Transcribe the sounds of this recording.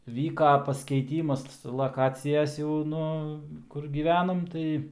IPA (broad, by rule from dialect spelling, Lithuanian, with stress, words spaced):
ˈʋʲiːkɐ pɐsʲkʲɛɪˈtʲiːmɐs lˠɐˈkɑːt͡sʲɪjɛs jɛʊ ˈnʊ ˈkʊr ˈɡʲiːʋʲɛnoːm ˈtɐɪ